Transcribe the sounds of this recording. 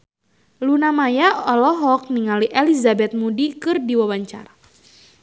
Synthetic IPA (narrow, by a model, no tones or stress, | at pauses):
lunamajaɔlɔɦɔk̚niŋaliʔelizabɛt̪̚mudikɨrdiwawaɲt͡ʃa̰ɾa